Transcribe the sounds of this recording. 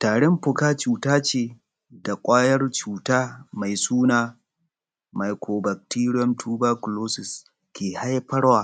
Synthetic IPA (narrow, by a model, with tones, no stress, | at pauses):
taː˨ɽɪ˦mɸʊ˨kaː˦t͡ʃuː˨taː˦t͡ʃeː˦˨ | da˨kʷʼaː˦jɐ˦rt͡ʃuː˨taː˦ma˨jsuː˦naː˨ | ma˨jkʰoː˨bɐ˨k̚tiː˦ɽɪ˦ɔ˦mtʰuː˦baː˦kʊ˨loː˦sɪ˨s | kʲeː˨ha˦jɸɐ˦ɽwaː˨